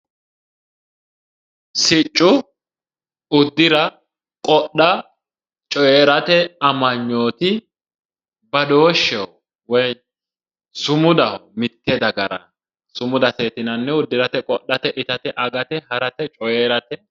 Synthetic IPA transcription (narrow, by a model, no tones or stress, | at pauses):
sɪt͡ʃʼːʊ | ʊd̪ːɪɾɐ | kʼɔɗːɐ | t͡ʃʼɔjeːɾɐt̪ɛɐmɐɲːo̞ːt̪ɪ | bɐd̪o̞ːʃːɛ | wɛj | sʊmʊd̪ɐmɪt̪ːɛd̪ɐɡɐɾɐ̰ | sʊmʊd̪ɐt̪eːt̪ɪnɐnːɛʊd̪ːɪɾɐt̪ɛkʼɔɗːɐt̪ɛʔɪt̪ɐt̪ɛʔɐɡɐt̪ɛɦɐɾɐt̪ɛt͡ʃʼɔjeːɾɐt̪ɛ